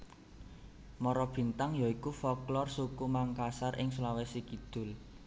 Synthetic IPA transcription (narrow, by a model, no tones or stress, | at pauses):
mɔɾɔb̥i̤nt̪aŋjaikufɔklɔrsukumaŋkasarɪŋslawesikid̪̥ʊ̤l